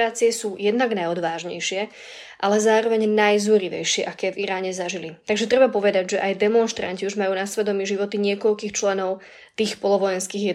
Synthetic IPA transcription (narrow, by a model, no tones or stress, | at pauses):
aːt͡siɛsuːjɛd̪naɡnajɔd̪ʋaːʒɲɛ̰jʃɪɛ | ʔalɛzaːɾɔʋɛɲnajzuɾiʋɛ̰jʃɪɛʔakɛːviɾaːɲɛzaʒilit̪aɡʒɛt̪ɾɛbapɔʋɛd̪aɟʒɛʔajd̪ɛmɔnʃt̪ɾa̰ɲciuʒmajuːnasʋɛd̪ɔmiːʒiʋɔt̪iɲɪɛkɔʎkiːxt͡ʃlɛnɔʊ | t̪iːxpɔlɔʋɔjɛnskiːɣjɛ